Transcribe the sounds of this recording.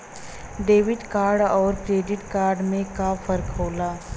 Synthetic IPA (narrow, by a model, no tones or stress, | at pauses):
ɖeːʋɪʈkaːɾɖɔːɾkɾeːɖɪʈkaːɾɖmẽkafɐɾkɦoːlaː